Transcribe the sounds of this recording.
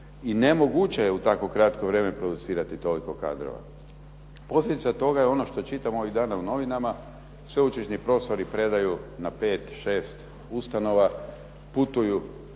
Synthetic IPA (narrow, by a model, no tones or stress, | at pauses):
inemo̞ɡut͡ɕejeut̪ako̞kɾat̪ko̞ʋɾe̞ːmepɾo̞d̪ut̪siːɾat̪it̪o̞liko̞ka̰d̪ɾo̰ʋa̰ | po̞slʲe̞d̪it̪sat̪o̞ɡajeo̞noʃt̪o̞t͡ʃit̪amoo̞ʋiɣd̪aːnauno̞ʋinama | sʋe̞ut͡ʃeʃɲipɾo̞ːst̪o̞ɾipɾe̞d̪ajunapeːt̪ʃe̞ːst̪ | ust̪ano̞ʋa | put̪uju